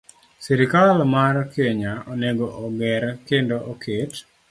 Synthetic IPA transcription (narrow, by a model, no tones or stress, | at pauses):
siɾikalmarkeɲaoneɡoʔoɡɛɾkendoʔokʰet